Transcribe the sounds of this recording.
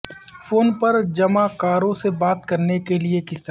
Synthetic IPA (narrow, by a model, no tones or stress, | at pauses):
foːnpɐɾd͡ʒɐmakaːɾõsebaːt̪kɐɾnekeliekɪst̪ə